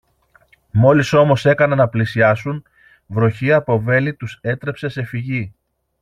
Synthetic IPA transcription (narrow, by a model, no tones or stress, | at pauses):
mo̞liso̞mo̞se̞kɐnɐnɐplisiɐsun | vɾo̞çiɐpo̞ve̞lit̪use̞t̪ɾe̞pse̞se̞fiʝi